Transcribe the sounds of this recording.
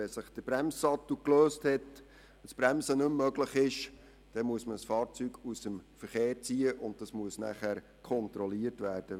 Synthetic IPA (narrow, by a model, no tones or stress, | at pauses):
ɛsɪχd̥əb̥ɾæmssɑt̪ːukløːsthɛt | əsb̥ɾæmsənɵmːœɡləχɪʃ | d̥ɛmuəsməsfɑːɾt͡syɡusəmfəɾχeːɾt͡siːəʔʊnd̚d̥ɑsmuəsnæ̰χæɾ | kʰɔnt̪ɾɔliəɾtvæːrd̥ə